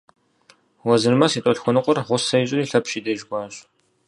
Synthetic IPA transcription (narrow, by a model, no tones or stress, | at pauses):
wɐzɨrmɐsiːtʼɔɬxʷʊnɨqʷʼɔrʁʷʊsɐjɕʼɪriːɬɐpɕiːdɐʒɡʷɑːɕʼ